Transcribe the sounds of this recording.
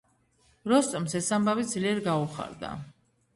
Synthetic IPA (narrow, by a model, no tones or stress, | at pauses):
ɾɔst̪ʼɔmsɛsambavid̪zliɛɾɡauχa̰ɾd̪a̰